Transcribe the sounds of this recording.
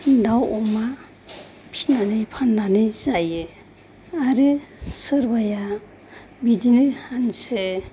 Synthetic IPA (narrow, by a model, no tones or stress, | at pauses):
dawɔma | pʰi̥snanɯjpʰanːanɯzajɯ | aɾɯsɯɾbaja | bidinɯhanse